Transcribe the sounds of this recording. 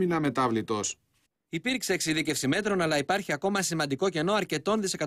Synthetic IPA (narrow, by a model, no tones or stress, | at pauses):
inɐme̞t̪ɐvlit̪o̞s | ipiɾkseeksiðice̞fsime̞t̪ɾo̞nɐlɐipɐɾçiɐko̞mɐsimɐnd̪iko̞ce̞no̞ɐɾce̞t̪o̞nðise̞kɐ